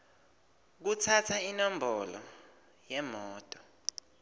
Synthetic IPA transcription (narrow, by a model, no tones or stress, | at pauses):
k̬utʰatʰainɔmbʱɔlɔ̰ | jɛmɔːtʼɔ̥